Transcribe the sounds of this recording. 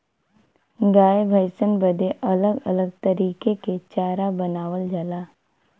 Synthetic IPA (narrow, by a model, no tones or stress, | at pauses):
ɡaːebʱəɪsənbəd̪eʔɐləɡɐləɡ̚t̪əɾiːkeket͡ʃaːɾabənaːʋəld͡ʒəlaː